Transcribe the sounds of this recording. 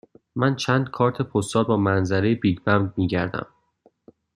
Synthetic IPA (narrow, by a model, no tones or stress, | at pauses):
mænt͡ʃʰæːnd̪̥̚kʰɒːɾt̪ʰe̞pʰost̪ɒːlbɒːmænzæɾejebiːdbæmdmiːɟæɾd̪æ̰m